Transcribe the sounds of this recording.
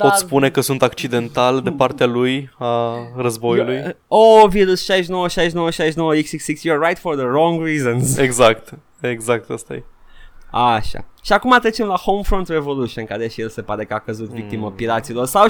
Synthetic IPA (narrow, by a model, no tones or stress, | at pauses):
pot̪spune̞kəsunt̪akt͡ʃid̪e̞nt̪ald̪epart̪ealujarəzbojulujoviɾusʃajʃ̬nowəʃajʃnowəʃajʃnowəiksiksiksjiɹːajt̪foɾðəɾɔ̃ŋɡrizõnzeɡzakt̪ | eɡzak̚t̪əst̪a̰je | aʃa̰ʃiakumat̪ɾet͡ʃe̞mlahowmfɾont̪ɾevo̞luʃienkaɾeʃijelse̞paɾe̞kəakəzut̪vik̚t̪iməpiɾat̪silo̞rsaw